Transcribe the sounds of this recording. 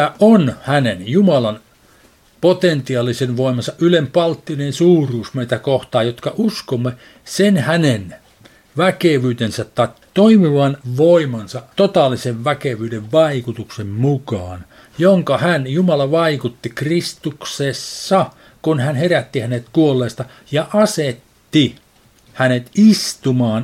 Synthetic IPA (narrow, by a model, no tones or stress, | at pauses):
æʔonhænenjumɑlɑn | pot̪ent̪iɑlːisenʋoimɑnsɑʔʔylempɑlt̪ːinensuːruːsmeit̪ækoht̪ɑːjot̪kɑʔuskomːe | senhænen | ʋækeʋyːt̪ensæt̪t̪ɑikt̪oimiʋɑnʋoimɑnsɑt̪ot̪ɑlːiseʋʋækeʋyːdeʋʋɑikut̪uksemmukɑːn | joŋkɑhænjumɑlɑʋɑikut̪ːikrist̪uksesːɑ | kunhænheræt̪ːihænet̪kuolːeːst̪ɑ | jɑʔɑset̪ːi | hænet̪ist̪umɑːn